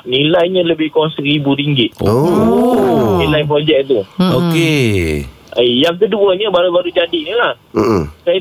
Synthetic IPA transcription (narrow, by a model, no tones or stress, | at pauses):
nilajɲələbɪhkɔŋsəkɾibuɾiŋɡɪt̪̚o | nilajp̬ɾod͡ʒɛk̚t̪uoke | əjaŋkəduəɲəbaɾubaɾud͡ʒadiɲəlah | saj